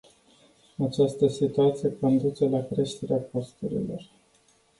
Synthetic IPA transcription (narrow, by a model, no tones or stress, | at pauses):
at͡ʃast̪əsit̪uat̪sijeko̞nd̪ut͡ʃelakɾe̞ʃt̪e̞ɾeako̞st̪uɾḭlo̞̰r